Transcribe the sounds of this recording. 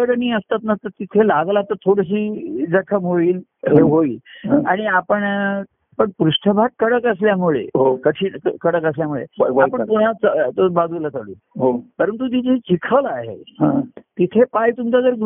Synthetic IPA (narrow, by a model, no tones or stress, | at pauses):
əɽniːəst̪at̪nəst̪əɾt̪it̪ʰelaɡlat̪ət̪ʰoɽəɕ̬iːd͡zəkʰəmɦoiːl | ɦeɦoiːla̰ɽ̃iapəɳ | pəɳpɾuʂʈʰəbʱaʈ̚kəɽəkəs̬ljamuɭḛɦokəʈʰiːɳkəɽəkəsljamuɭḛapəɳt̪uɦat͡st̪bad̪ʱulat͡səɽṵː | ɦopəɾənt̪̬ut̪it̪ʰet͡ɕikʰəlaɦḛɦãt̪it̪ʰepajt̪umt͡sad͡zəɾɡ